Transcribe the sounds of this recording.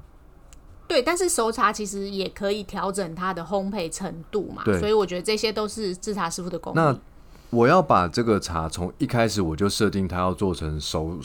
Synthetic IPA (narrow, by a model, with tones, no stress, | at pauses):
t̪we˥˩ɪt̪a˥˧nʂɻ̩˥˩ʂo˧˥ʊʈ͡ʂʰa˧˥t͡ɕʰi˧˥ʂɻ̩˧˦jɛ˨˩kʰɤ˧˦i˨˩t̪ʰjɑ˧˥ʊʈ͡ʂə˨˩ŋt̪ʰa˥d̪ə˨xo˦ŋpʰe˥˩ɪʈ͡ʂʰə˧˥ŋt̪u˥˨ma̰˨t̪we˥sɔ˧˥i˨wɔ˨˩t͡ɕɥɛ˧˥d̪ə˨˧ʈ͡ʂɤ˥˩ɕjɛ˥t̪o˥ʊʂɻ̩˥˧t͡s̩˥˩ʈ͡ʂʰa˧˥ʂɻ̩˥˧fu˥˩d̪ə˩ko̰˧˥ŋna˥˨ | wɔ˨˩jɑ˥˩ʊpa˨˩ʈ͡ʂɤ˥˩ɡə˨ʈ͡ʂʰa̰˧˥t͡sʰo˧˥ŋi˥˧kʰa˥ɪʂɻ̩˨˩wɔ˨˩t͡ɕjo˥˧ʊʂɤ˥˧t̪i˥˩ŋt̪ʰa˥˦jɑ˥˧ʊt͡swɔ˥˩ʈ͡ʂʰə˧˦ŋʂo˧˦ʊ